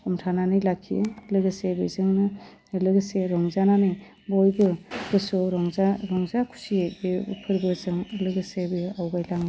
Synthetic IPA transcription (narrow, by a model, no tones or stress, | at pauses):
umtʰananɯjlakʰːilɯɡɯsebḛzɯŋnɯ | lɯɡɯseɾɔŋzananɯj | bɔjbɯbɯsɔɾɔŋzaɾɔŋzakʰu̥sieepʰɯɾbɯzɯŋlɯɡɯsebeawɡajlaŋ